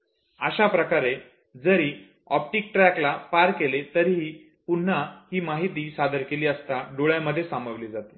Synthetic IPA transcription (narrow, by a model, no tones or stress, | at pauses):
əɕapɾəkaɾe | d͡zəɾiː | ɔp̚ʈiːk̚ʈɾɛklapaɾkelet̪əɾɦiː | pun̤ːahiːmaɦit̪̬iːsad̪ʱəɾkeliːəst̪aɖoɭjaməd̪ʱːjesambəʋlid͡zat̪e̥